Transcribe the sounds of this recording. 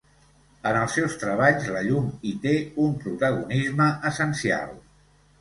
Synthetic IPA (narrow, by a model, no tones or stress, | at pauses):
ənəlˠsːɛwst̪ɾəβ̞aʎzləʎumit̪eumpɾut̪əɣunizməʔəsənsia̰lˠ